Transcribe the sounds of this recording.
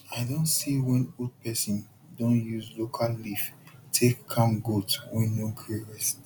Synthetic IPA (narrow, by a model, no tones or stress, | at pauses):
aɪdõnsiwɛ̃nod̚pɛsĩn | dõnjuzlokʰalliftʰekkʰːãmɡotwĩnõɡɹeɹɛs